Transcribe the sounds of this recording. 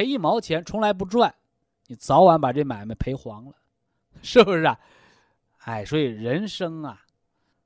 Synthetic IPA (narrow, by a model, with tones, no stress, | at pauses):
e˧˥ɪi˥˩mɑ˧˥ʊt͡ɕʰjɛ˧˥nʈ͡ʂʰʊ˧˥ŋla˧˥ɪp̬u˧˥˩ʈ͡ʂwa˥˩n | ni˨˩t͡sɑ˧˥ʊwa˧˥npa˨˩ʈ͡ʂe˥˩ma˨˩ɪmə˧˦npʰe˧˥ɪxwɑ˧˥ŋlə˧ | ʂɻ̩˥˩bu˧˩ʂɻ̩˥˩ɐ˨˩ | a˥˩ɪswɔ˧˥i˨˩ɻə˧˥nʂɤ˥ŋɐ˨˩